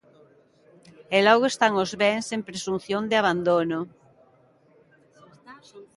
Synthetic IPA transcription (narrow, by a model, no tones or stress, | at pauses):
elɔɣoest̪aŋozβeŋsempɾesun̟θjond̪ɪaβand̪ono